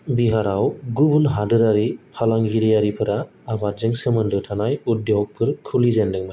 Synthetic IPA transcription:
biɦaɾawɡubunɦadɯɾaɾipʰalaŋɡiɾijaɾipʰɯɾaː | batzɯŋsɯmɯndɯwtʰanajut̚dɔɦɔk̚pʰɯɾkʰulizandɯŋmaj

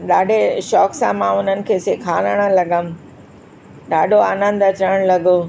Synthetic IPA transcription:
ɗaːɖʱeʃɔːksãmãʊn̤ənɪ̆kʰeːseːkʰaːləɽ̃əlɐɠəm | ɗaːɖʱoaːnə̃nd̪ɐt͡ɕəɽ̃lɐɡo

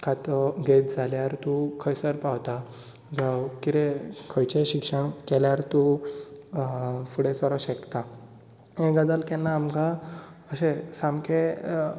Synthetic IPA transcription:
kʰat̪ɔɡet̪̚d͡zʱaljaɾt̪ukʰəjsəɾpawt̪a | d͡zawkiɾekʰəjt͡ɕeɕikʂəɳkɛljaɾt̪u | fuɽesɔɾɔɕɛkt̪a | ɦẽɡəd̪alkɛnːaːmkaəɕẽsamkʰe

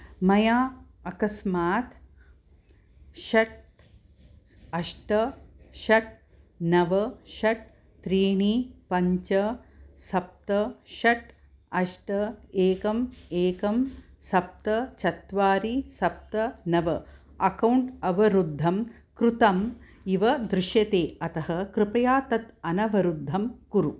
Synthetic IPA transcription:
mɐjaːɐkɐsmaːt̪ | ʃɐʈ̚ | ɐʂʈɐʃɐʈ̚ | nɐʋɐʃɐʈ̚ | t̪ɾiːɳipɐɲt͡ʃɐsɐp̚t̪ɐʃɐʈ | ɐʂʈɐeːkɐmeːkɐm | sɐp̚t̪ɐt͡ʃʰɐt̪ʋaːɾisɐp̚t̪ɐnɐʋɐ | ɐkɐwɳʈɐʋɐɾud̪ʱːɐm | kɾut̪ɐm | iʋɐd̪ɾɪʃjɐt̪eːɐt̪ɐɦɐkɾɪpɐjaːt̪ɐt̪ɐnɐʋɐɾud̪ʱːɐmkuɾu

